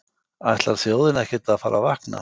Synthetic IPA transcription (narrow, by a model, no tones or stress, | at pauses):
ajht̪laɾ̥θjowðɪnɛhcɪt̪aðfaːɾʔavahkna̰